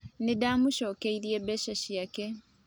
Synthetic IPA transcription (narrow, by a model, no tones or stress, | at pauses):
nidamuʃoːkeiɾiebeʃaʃiake